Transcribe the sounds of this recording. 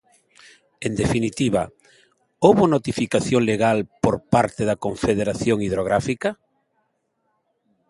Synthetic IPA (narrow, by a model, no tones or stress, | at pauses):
end̪efinit̪iβa | owβʊnot̪ifikaθjoŋleɣalpoɾpaɾt̪eðɐkoɱfeð̞eɾaθjoŋiðɾoɣ̞ɾafikɐ